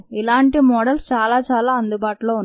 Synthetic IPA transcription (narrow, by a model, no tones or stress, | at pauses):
ilaːɳʈimɔːɽɐlst͡ʃaːlaːt͡ʃaːlaːɐnd̪ubaːʈulo̞ːunː